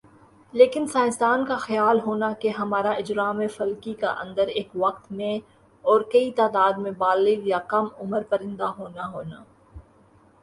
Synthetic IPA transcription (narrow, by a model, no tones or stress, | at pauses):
leːkɪnsaːɪst̪aːnkaxɐjaːlɦoːnakeɦɐmaːɾaɪd͡ʒɾaːmefɐlkika̰ʔɐ̰̃nd̪əɾeːkʋɐq̚t̪mẽ | ɔːɾkɐit̪aːd̪aːd̪mẽbaːlɪʋjakɐmʊməɾpɐɾɪ̃nd̪aɦoːnaɦoːnaː